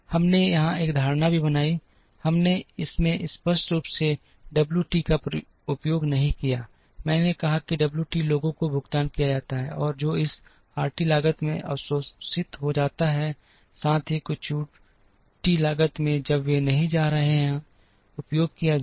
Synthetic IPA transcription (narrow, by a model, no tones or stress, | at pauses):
hɐmnejɐɦãeːkd̪ʱaːɾnabʱibɐnaːi | hɐmneɪsmẽʔɪspəɾsʈɾuːpse | ɖɐbljuʈiːkap | ʊpjoːɡnɐɦĩkijaː | mɛ̃ːnekɐɦakiɖɐbljuʈiːloːɡõkobʱʊɡt̪aːnkijad͡ʒaːt̪aɦɛ̰ʔɔːɾd͡ʒoːɪs | aːɾʈilaːɡət̪mḛ̃ʔɐ̰səsɪt̪ɦod͡ʒaːt̪aɦɛ | sãːt̪ʰekʊt͡ʃuː | ʈilaːɡət̪mẽd͡ʒɐbʋenɐɦĩd͡ʒaːɾɐɦeɦɛ̃ | ʊpjoːɡ̚kija